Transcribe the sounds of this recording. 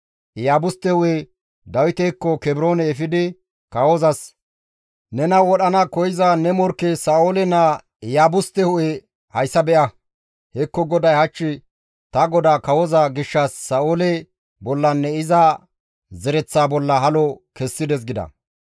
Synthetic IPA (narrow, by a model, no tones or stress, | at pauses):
ʔɪjaːbʊst̪ːɛhʊʔe | d̪ɐwɪt̪ɛkːɔkɛbɪɾo̞ːnɛːfɪd̪ɪ | kɐwozɐs | nɛnɐwɔɗɐnɐkɔjɪzanɛmɔɾkːesaːʔoːlɛnɐ | jaːbʊst̪ːɛhʊʔɛ | hɐjsːɐbɛʔɐ | hɛkːɔɡɔd̪ɐjhɐt͡ʃːɪ | t̪ɐɡɔd̪aːkɐwɔzɐɡɪʃːɐsːaːʔoːlɛ | bɔlːɐnːɛɪza | zɛɾɛt͡sːaːbɔlːɐɦɐlɔkɛsːɪd̪ɛs̬ɡɪd̪ɐ̰